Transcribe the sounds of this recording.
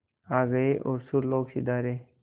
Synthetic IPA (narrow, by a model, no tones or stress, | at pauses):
aɡəeʔoɾsuɾloɡsḭd̪aːɾe